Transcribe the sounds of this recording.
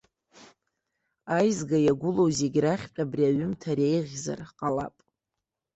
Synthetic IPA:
ajzɡajaɡʷʊlowze̞ɡʲraχʲpʲʼabriaɥʏmtʰaɾe̞jʁʲza̰rqʼala̰pʼ

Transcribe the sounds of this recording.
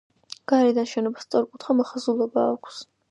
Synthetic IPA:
ɡ̥aɾɛd̪anʃɛnɔbast̪sʼɔɾkʼut̪ʰχamɔχazulˠɔbaːkʷʰs

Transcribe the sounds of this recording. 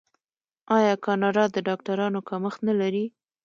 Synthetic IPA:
ɑjɑkɑnɑɾɑd̪əɖɑk̚ʈaɾɑnokaməxt̪nalaɾi

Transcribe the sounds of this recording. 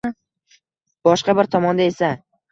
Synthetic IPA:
b̥ɒʃqɑbɪɾt̪ʰɒmɒnd̪ae̞sa

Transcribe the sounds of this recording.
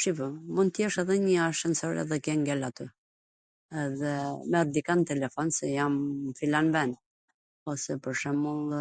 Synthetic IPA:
ʃivəmunjɛʃɛðɛɲəaʃɛnsɔɾɛ̰ðɛkɛŋɡɛlat̪y | ɛðɛmɛɾd̪ikant̪ɛlɛfɔnsɛjamfilanvɛn | ɔsɛpəɾʃɛmulˠ

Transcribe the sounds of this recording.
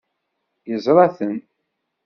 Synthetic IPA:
jəzˤɾˤɑθən

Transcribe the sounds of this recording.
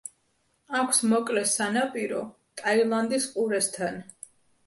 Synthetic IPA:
akʰsmɔkʼlɛsanapʼiɾɔ | t̪ʼailˠand̪isqʼuɾɛst̪ʰan

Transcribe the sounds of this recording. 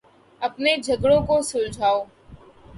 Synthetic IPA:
ɐpned͡ʒʱɐɡɽõkosʊld͡ʒʱaːoː

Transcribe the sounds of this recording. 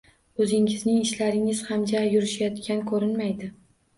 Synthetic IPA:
ɵzɪŋɪznɪŋɪʃlaɾɪŋɪz̥hamd͡ʒajʊɾɪʃajɒt̪kʲankʰɵɾɪnmajd̪ɪ

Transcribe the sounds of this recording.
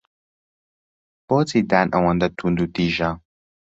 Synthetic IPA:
b̥otidanʔa̰wãnd̪at̪ʰund̪utiʒa

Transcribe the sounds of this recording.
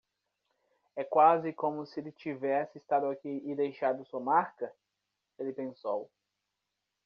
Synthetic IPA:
ɛkwazɪkõmʊsɪelɪt͡ʃivɛsɪːst̪ad̪ʊakiɪd̪ejʃad̪ʊsuɐmaɾkɐ | elɪpẽsow

